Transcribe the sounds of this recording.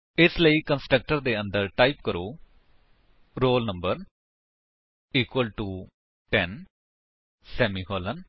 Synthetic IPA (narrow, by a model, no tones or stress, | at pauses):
ɪsləiːkə̃nsʈɾək̚ʈəɾd̪eːə̃nd̪əɾʈaipkəɾoː | ɾoːlnə̃mbəɾ | iːkwəlʈuː | ʈɛn | sɛːmiːhoːlən